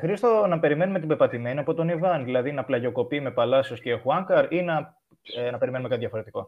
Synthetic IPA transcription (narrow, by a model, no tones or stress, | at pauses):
xɾist̪onɐpe̞ɾime̞nume̞t̪ibe̞ɾpɐt̪ime̞niɐpo̞t̪o̞nivɐnðilɐðinɐplɐʝo̞ko̞pime̞pɐlɐsio̞scexuɐŋkɐɾinɐ | nɐpe̞ɾime̞numekɐt̪ðʝɐfo̞ɾe̞t̪iko̞